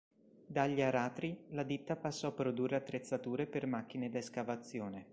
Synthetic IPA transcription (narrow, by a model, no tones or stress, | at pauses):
d̪aʎːiaɾaːt̪ɾilad̪it̪ːapasːɔapɾod̪urːeat̪ːɾet̪sːat̪uːɾepermak̟ːined̪aeskavat̪sːjoːne